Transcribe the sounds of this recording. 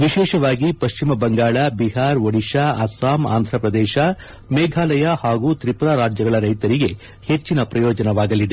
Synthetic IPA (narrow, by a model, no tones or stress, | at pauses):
ʋiʃɛːʃɐʋaːɡipɐʃt͡ʃimɐbɐŋɡaːɭabiɦaːɾʋɐɽiʃaɐsaːma̰ːnd̪ʱɾɐpɾɐd̪ɛːʃɐ | meːɡʱaːlɐjahaːɡut̪ɾipuɾaːɾaːd͡ʒjɐɡɐɭɐɾɐjt̪ɐɾiɡe̞ | het͡ʃːinɐpɾɐjoːd͡ʒɐnɐʋaːɡɐlid̪e